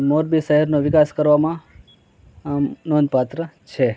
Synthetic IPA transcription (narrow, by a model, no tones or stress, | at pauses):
moɾbiʃəɦɛɾnoʋɪkaskəɾʋamã | nonpat̪ɾət͡ʃʰe